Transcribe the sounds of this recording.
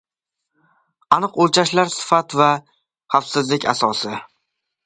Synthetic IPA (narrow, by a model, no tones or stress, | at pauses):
anɨqolt͡ʃʰaʃlaɾsɪ̥fat̪va | χafsɪzlɪkʲa̰sɒsɪ